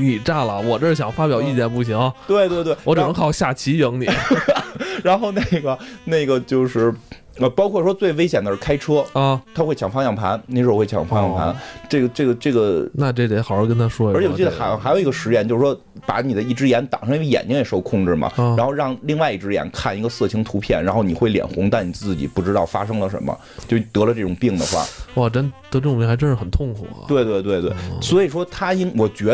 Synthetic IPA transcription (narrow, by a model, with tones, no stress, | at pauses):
ni˨˩ʈ͡ʂa˥˩lə˨˩wɔ˨˩ʈ͡ʂʂ̩˥ɕjɑ˨˩ŋfa˥pjɑ˨˩ʊi˥˩t͡ɕjɛ˥˩npu˥˩ɕi˧˥ŋɐ˧˩t̪we˥˧ɪt̪we˥˧t̪wwɔ˧˥ʈ͡ʂɤ˨˩nə˧˥ŋxʰɑ˨˩ʊɕja˥˩t͡ɕʰi˧˥jɤ˧˥ŋni˨˦˥ɻa˧˥nxo˥˧ʊne˥˩ɪɡə˩ne˥˩ɪɡə˩t͡ɕjo˥˧ʊʂɻ̩˥˩ | ə˧pɑ˥ʊkʰwɔ˥˩ʂwɔ˥t͡swe˥˩ɪʋe˥ɪɕ̬jɛ˨˩nd̪ə˦ʂɻ̩˥˩kʰa˥ɪʈ͡ʂʰɤ˥˩t̪ʰa˥xwe˥˩ɪt͡ɕʰjɑ˨˩ŋfɑ˥ŋjɑ˥˩ŋpʰa̰˧˥nne˥˩ʂ̩˧˥˧we˥˩t͡ɕʰjɑ̰˨˩ŋfɑ˥ŋjɑ̰˨˥˩ŋpʰa̰˧˥nʈ͡ʂɤ˥˩ɡə˩ʈ͡ʂɡə˩ʈ͡ʂɤ˥˩ɡə˩na˥˧ʈ͡ʂɤ˥˩ɛ˧˥xɑ˨˩ʊ˥kə˥nt̪ʰa˥ʂwɔ˥˩ə˞˧˥ɛ˨˧˨t͡ɕi˥˩ə˧xa˧˥ɪ˧xa˧˥jo˨˩ʊ˧˥ɡə˧ʂɻ̩˧˥jɛ˧˥nt͡ɕjo˥˧ʊʂ̩˧˩ʂwɔ˥ | pa˧˥ni˨˩d̪ə˦i˥˩ʈ͡ʂɻ̩˥jɛ˧˥nt̪ɑ̰˨˩ŋʂjɛ̰˨˩nt͡ɕi˥ŋe˨˩ʂo˥˧ʊkʰʊ˥˧ŋʈ͡ʂɻ̩˥˩mɐ̰˩a˧˥nxo˧ʊɻɑ˥˧ŋli˥˧ŋwa˥˧ɪi˥˩ʈ͡ʂɻ̩˥jɛ̰˧˥nkʰa˥˩ni˧˥ɡə˧sɤ˥˩t͡ɕʰi˧˥ŋt̪ʰu˧˥pʰjɛ˥˩nɻa˧˥nxo˥˧˩ni˨˩xwe˥˩ɪljɛ̰˨˩nxʊ˧˥ŋt̪a˥˩ɪni˨˩t͡sɹ̩˥˩t͡ɕi˨˩pu˥˩ʈ͡ʂɻ̩˥t̪ɑ˥˩ʊfa̰˥ʂɤ˥ŋlə˨ʂə̰˧˥nmə̰˧ | t͡ɕjo˥˩ʊt̪ɤ˧˥lə˧ʈ͡ʂɤ˥˩ʈ͡ʂʊ˨˩ŋpi˥˩ŋd̪ə˩xwa̰˥˩wa˥˩ʈ͡ʂə˥nt̪ɤ˧˥ʈ͡ʂɤ˥˩˨pi˥˩xɪʈ͡ʂə˥ʂɻ̩˥˩xə˨˩nt̪ʰʊ˥˩ŋkʰṵ˨˩t̪we˥˧ɪt̪we˥˧ɪt̪we˥˧ɪt̪we˥˩ɪswɔ˧˥i˨˩ʂwɔ˥t̪ʰa˥i˥ŋwɔ˨˩t͡ɕɥɛ˧˥